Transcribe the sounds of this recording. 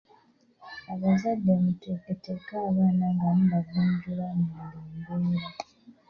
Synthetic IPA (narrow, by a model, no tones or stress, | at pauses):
aβazadːemuteketekaːβaːnaŋɡanuβaɡuːɲɟulamuluːmɡeːɾe